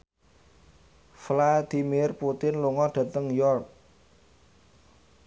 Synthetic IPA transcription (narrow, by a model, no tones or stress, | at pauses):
flad̪̥i̤mɪrput̪ɪnluŋɔɖ̥a̤t̪əŋjɔrk̚